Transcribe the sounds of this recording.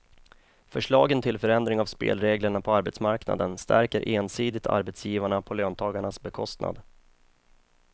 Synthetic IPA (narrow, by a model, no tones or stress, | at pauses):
fœʂɭɑːɡənt̪ʰɪlfœɾɛnd̪ɾɪŋavspḛːlɾeːɡləɳapʰɔaɾbɛt̪smaɾkna̰d̪ənst̪ʰæ̰ɾkəɾʔeːnsiːd̪ɪt̪ʰa̰ɾbɛt̪sjiːvaɳapʰɔløːnt̪ʰɑːɡaɳasbɛkʰɔst̪na̰d̪